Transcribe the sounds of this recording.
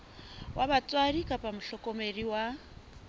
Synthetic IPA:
wʔaβat͡sʼwaɾikʼapʼamʊɬɔkʼɔmeriwa

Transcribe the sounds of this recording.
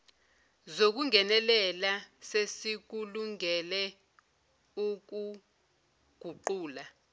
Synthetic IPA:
zok̬uŋɛnɛlɛlasesik̬uluŋɛlɛ | uk̬u | ɡ̥ʱuǃuːla

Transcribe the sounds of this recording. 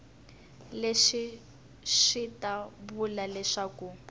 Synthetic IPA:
leʃi | ʃitabulalɛʂaːku

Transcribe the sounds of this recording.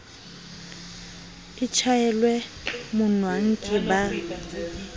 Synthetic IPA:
it͡ʃʰajɛlwɛmʊnwaŋ̩kʼɪba

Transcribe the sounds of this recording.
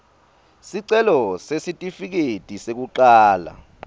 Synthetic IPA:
siǀɛlɔsesitʼifik̬etʼisek̬uǃaːla̰

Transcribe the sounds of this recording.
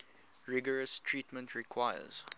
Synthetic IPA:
ɹɪɡəɹəstʰɹiːtmə̃ntʰɹikʰwaɪə̰z̥

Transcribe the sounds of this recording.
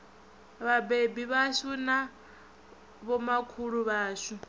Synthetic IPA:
βabebiβaʃuna | βɔmakʰuɺuβaːʃu

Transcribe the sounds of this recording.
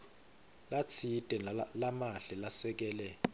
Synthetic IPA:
lat͡sʰitʼɛlamaɬɛlasɛk̬ɛːlɛ

